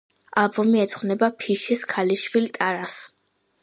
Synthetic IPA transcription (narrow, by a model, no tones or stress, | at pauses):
albɔmiɛt̪sχwnɛbapʰiʃiskʰaliʃvilt̪ʼaɾas